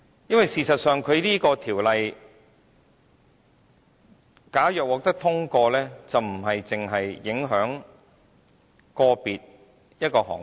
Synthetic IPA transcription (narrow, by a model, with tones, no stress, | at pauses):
jɐ˥nwɐ˨jsiː˨sɐ˨t̚sœː˨ŋkʰɵ˨˧ɥliː˥kɔː˧t̪ʰiː˨˩wlɐ˨j | kaː˨˥jœː˨k̚wɔː˨k̚t̪ɐ˥k̚t̪ʰʊ˥ŋkɔː˧lɛː˥t͡sɐ˨wm̩˨˩ɦɐ˨jt͡sɪ˨ŋɦɐ˨jːɪ˨˥ŋɦœː˨˥ŋ | kɔː˧piː˨t̚ | jɐ˥t̚kɔː˧hɔ̰ː˨˩ŋ